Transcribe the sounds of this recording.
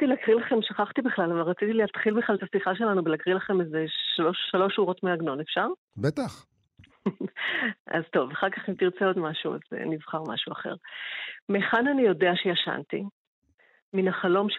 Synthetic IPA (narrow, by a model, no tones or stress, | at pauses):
t̪ilakʁilaχe̞mʃaχaχt̪ibiχlalavalʁat͡sit̪ilihat̪χilbiχlalt̪asiχaʃe̞lanubelakʁilaχe̞mezeloʃːalo̞ʃuʁo̞tmeaɡno̞nefʃaʁ | bet̪aχ | a̰zt̪o̞vaχaʁkaχimt̪iʁt͡seo̞dmaʃua̰z̰nivχaʁma̰ʃuaχe̞̰ʁmeχananijo̞deaʃejaʃa̰nt̪i | minaχalo̞mʃ